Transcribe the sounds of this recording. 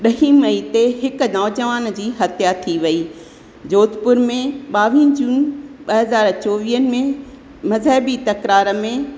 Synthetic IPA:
ɗɐɦĩmɐit̪eɦɪkʊ̆nɔːd͡ʑəʋaːn̆d͡ʑiːɦɐt̪ʰjat̪ʰiʋɐiː | d͡ʑoːt̪pʊɾmẽɓaːʋĩːnd͡ʑuːnɓɐɦɐzaːɾt͡ɕoːʋiːənɪ̆mẽ | mɐzɦəːbit̪ɐkɾaːɾə̆mẽ

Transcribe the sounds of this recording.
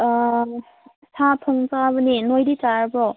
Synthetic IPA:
sʰapʰɔŋzabɯninojditaɾbɔ

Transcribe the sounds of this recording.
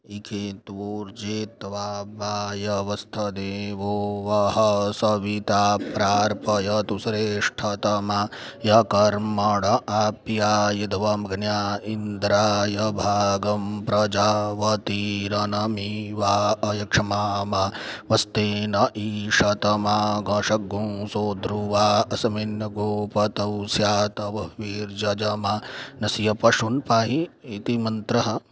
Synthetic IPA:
ikʰeːt̪ʋuːɾd͡ʒeːt̪ʋaːbaːjɐʋɐst̪ʰɐd̪eːʋoʋɐɦɐsɐʋit̪aːpɾaːɾpɐjɐt̪usɾeːʂʈʰɐt̪ɐmajɐkɐɾmɐɽɐapjaːjɐd̪ʱʋɐmɡʱnjaːind̪ɾaːjɐbʱaːɡɐmpɾɐd͡ʒaːʋɐt̪iɾɐnɐmiʋaːɐjɐkʂɐmaːmaʋɐst̪eːnɐʔiːʃɐt̪ɐmaːɡɐːʂɐɡũːsoːd̪ɾuʋaːɐsɐminjɐɡoːpɐt̪ɐwsjaːt̪ɐʋɐʋiːɾd͡ʒɐd͡ʒɐmaːnɐsijɐpɐʃunpaːɦiːt̪imɐnt̪ɾɐɦɐ

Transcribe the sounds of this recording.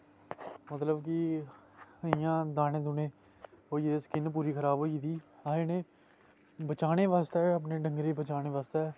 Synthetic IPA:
mət̪ləbkɪ | ɪjãːd̪aːnẽːd̪ʊnẽː | ɦoːiːd̪eːskɪnp̬uːɾiːkʰəɾaːbɦoːid̪iːaːeneː | bət͡ʃaːɽ̃eːʋaːst̪eəp̬neːɖəŋɡɾeːbət͡ʃaːñeːʋaːst̪ɛː

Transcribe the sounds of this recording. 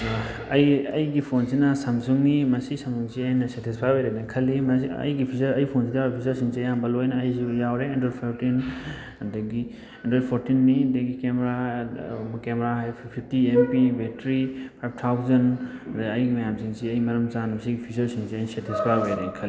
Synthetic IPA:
ɐjɐjɡipʰonsinɐsɐmzuŋnimɐsisɐmuŋziɐjnɐsetʰispʰajbojɾɐnɐkʰɐlimɐɐ̰jɡipʰizɐɾɐjpʰonsidijapʰizɐɾsiŋsijambɐlojnɐɐjzijawɾeɐndɾedpʰatin | dɐɡi | ɐndɾedpʰoɾtinːidɐɡikemɾa | kemɾaɦajpʰpʰitiempibetɾipʰajb̚t̪ʰawzɐndɐjɡimɐjamsiŋsiɐjmɐɾɐmzanmɐsiɡipʰisɐɾsiŋsiɐjnsetʰispʰajbojɾekʰɐli

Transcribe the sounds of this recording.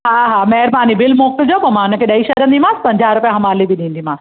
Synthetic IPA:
ɦaɦaːmɛɦɾbaːnibɪlmoːkəld͡ʑoːpɐmãːnɐkʰeɗɐiʃɐɾə̃nd̪imãːspɐ̃ɲd͡ʑaːɾʊpijãɦɐmaːlibʱiɗĩnd̪imãːs

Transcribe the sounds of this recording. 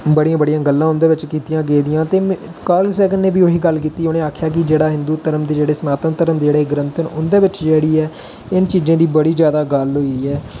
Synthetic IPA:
bəɽijãːbəɽɪjãːɡəlːãːʊnd̪eːʋɪt͡ʃkiːt̪ɪjãːɡeːd̪ɪjãːt̪eːkaːlsɛːɡənːeːbiːoːɦiːɡəlkiːt̪iːʊnẽːaːkʰjaːk̬ɪd͡ʒeːɽaːɦɪ̃nd̪uːt̪əɾəmd̪eːd͡ʒeːɽeːsənaːt̪ənt̪əɾəmd̪ed͡ʒeːɽeːɡɾənt̪ʰənʊnd̪eːʋɪt͡ʃd͡ʒeːɽiːɛː | ɪnt͡ʃiːzẽːd̪iːbəɽiːd͡ʒjaːd̪aːɡəlɦoːiːiːɛː

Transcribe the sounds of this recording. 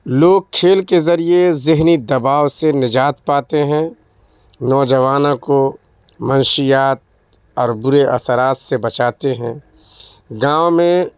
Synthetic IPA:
loːɡ̚kʰːeːlkezɐɾiezɪɦnid̪ɐbaːwsenɪd͡ʒaːt̪paːt̪eɦɛ̃ | nɔːd͡ʒɐʋaːnãko | mɐnʃijaːt̪̚ | ɔːɾbʊɾeʔɐ̰səɾaːt̪sebɐt͡ʃaːt̪eɦɛ̃ː | ɡãːwmẽ

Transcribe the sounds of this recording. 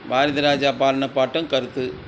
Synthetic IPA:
baːɾɐðɐɾaːd͡ʒaːpaːɾɐɳɐpːaːʈːɯmkɐɾɯt̪ːɯ

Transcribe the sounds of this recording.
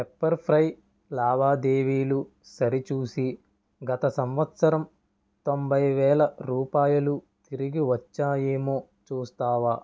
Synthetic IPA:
epːɐɾpʰɾɐj | laːʋaːd̪eːʋiːlu | sɐɾit͡ʃuːsi | ɡɐt̪ɐsɐmʋɐt̪sɐɾɐm | t̪o̞mbʱɐjʋɛːlɐɾuːpaːjɐlu | t̪iɾiɡiʋɐt͡ʃːaːjeːmoː | t͡ʃuːst̪aːʋaː

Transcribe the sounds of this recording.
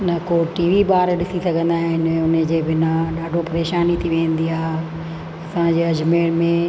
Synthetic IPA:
nɐkoːʈiːʋiɓaːɾɗɪsisɐɡʱə̃nd̪aːɦɪɪnẽʊned͡ʑeːbɪnaɗaːɖʱopɐɾeːʃaːnit̪ʰiʋẽːnd̪iaː | ɐsãd͡ʑeːɐd͡ʑmeːɽmẽ

